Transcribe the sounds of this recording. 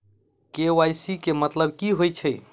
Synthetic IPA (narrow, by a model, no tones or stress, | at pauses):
kewajsikemət̪ləb̚kiɦojt͡ʃʰəj